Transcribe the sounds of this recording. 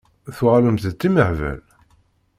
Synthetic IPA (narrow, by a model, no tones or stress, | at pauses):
θʊʁaləmθt͡s̪ːiməʕvæ̰l